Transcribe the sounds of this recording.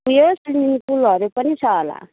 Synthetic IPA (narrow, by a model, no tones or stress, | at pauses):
ujosundinipulɦʌɾupʌnit͡sʰʌɦʌla̰